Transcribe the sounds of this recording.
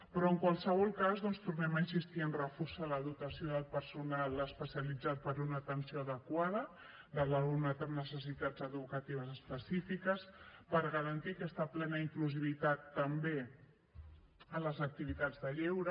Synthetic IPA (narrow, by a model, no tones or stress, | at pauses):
pɾɔəŋkwalˠsəβ̞ɔlˠkazðɔnst̪uɾnɛməinsist̪iənrəfusələðut̪əsioðəlˠpəɾsunaləspəsiəlid͡zat̪̚pəɾunət̪ənsioəðəkwað̞ə | d̪əlaunat̪əmnəsəs̬it̪ad͡zəðukət̪iβ̞əzəspəsifikəspəɾɣəɾənt̪ikɛst̪əplɛnəiŋkluziβ̞it̪at̪ːəmbe | ələzək̚t̪iβit̪ad͡zðəʎɛwɾə